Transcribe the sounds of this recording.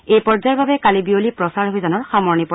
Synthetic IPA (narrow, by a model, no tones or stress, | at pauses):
ejpɔɹzaɹbabɛkalibiolipɹɔsaɹɦojzanɔɹxamɔɹnipɔ